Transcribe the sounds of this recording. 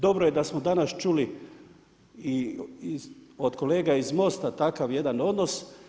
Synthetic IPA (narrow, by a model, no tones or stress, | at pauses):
d̪o̞bɾojed̪asmod̪anast͡ʃuli | iiod̪ko̞le̞ːɡaizmo̞st̪at̪akaʋje̞d̪ano̞d̪no̞s